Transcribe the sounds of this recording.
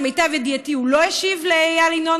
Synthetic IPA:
mejt̪avjed̪iat̪iuloeʃivlejalino

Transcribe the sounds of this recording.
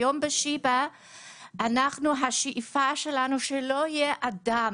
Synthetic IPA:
ombeʃiba | anaχnuɦaʃiʔifaʃelanuʃeloijeʔada

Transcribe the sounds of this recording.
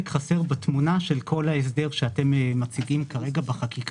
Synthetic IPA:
kχase̞ʁbat̪munaʃelkʰo̞laes̬d̪e̞ʁʃeate̞mmat͡siɡimkaʁe̞ɡabaχakik

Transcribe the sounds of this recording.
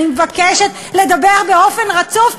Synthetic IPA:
vakeʃet̪ | le̞d̪abeʁbeo̞fe̞nʁat͡suf

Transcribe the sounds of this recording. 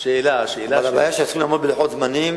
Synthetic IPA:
ʃeːlaʃeːlaalava̰ːjaʃejalximlaːmod̪beleħot̪zmanim

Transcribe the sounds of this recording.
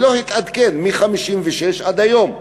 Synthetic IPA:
lo̞hit̪ad̪kenmiχamiʃimveʃeʃʔad̪ajo̞m

